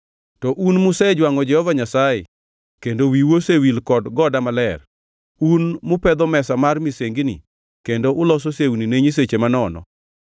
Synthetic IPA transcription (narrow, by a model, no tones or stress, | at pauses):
tɔʔunmʊsed͡ʒwaŋɔd͡ʒɛhɔvaɲasajḛ | kendowiwosewilkɔdɡɔdamalɛr | unmʊpɛd̪ɔmɛsamarmiseŋɡnḭ | kendoʔʊlɔs̬osewnineɲis̬et͡ʃemanɔnɔ̰